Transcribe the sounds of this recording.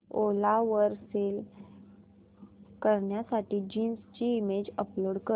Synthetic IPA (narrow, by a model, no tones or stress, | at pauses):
olaʋəɾsel | kəɾɳjasaʈiːd͡ʑiːnst͡ɕiːmed͡ʑəploɽkə